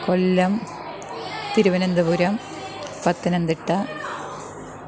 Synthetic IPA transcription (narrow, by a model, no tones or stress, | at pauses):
kolːɐm | t̪iɾuʋɐnɐnd̪ɐbuɾɐm | pɐt̪ːɐnɐnd̪iʈːɐ